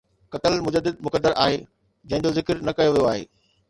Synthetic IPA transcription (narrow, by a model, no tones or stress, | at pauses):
kɐt̪əlmʊd͡ʑəd̪ːɪd̪̚mʊkəd̪ːəɾʔaːɦe | d͡ʑɐ̃ɦɪ̃ɲd͡ʑozɪkəɾnɐkɐjoʋijoaːɦḛː